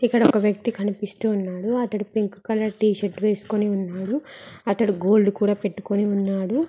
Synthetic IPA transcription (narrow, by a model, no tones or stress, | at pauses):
ikːɐɽɐɔkɐʋjɐk̚t̪ikɐnipist̪uːnːaːɽuɐt̪ɐɽipiŋkkɐlːɐʈiːʃeʈʋe̞ːsu̥koniunːaːɽuɐt̪ɐɽiɡo̞ːlɖukuːɽaːpe̞ʈːu̥ko̞niunːaːɽu